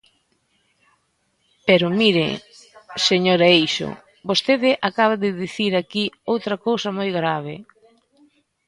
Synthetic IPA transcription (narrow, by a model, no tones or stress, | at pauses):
pɛɾʊmiɾɪ̰ | seɲoɾaejʃo̰ | bost̪eðɪʔakaβ̞aðɪðiθiɾakiowt̪ɾɐkowsɐmojɣɾaβ̞ɪ̰